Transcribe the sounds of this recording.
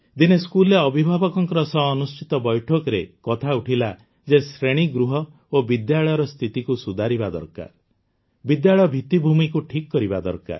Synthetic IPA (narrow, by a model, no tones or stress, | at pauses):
d̪ineskulːbʱibʱabɔkɔŋkɔɾɔsɔɦːnust͡ʃit̪ɔbɔjʈʰɔkɔɾekɔt̪ʰauʈʰila | d͡ʒesɾeɽ̃iɡɾuɦɔ | obid̪jaɭɔjɔɾɔst̪ʰit̪ikusud̪ʱaɾibad̪ɔ̰ɾka̰ɾ | bid̪jaɭɔbʱit̪ibʱumikuʈʰikkːɔɾibad̪ɔ̰ɾka̰ɾ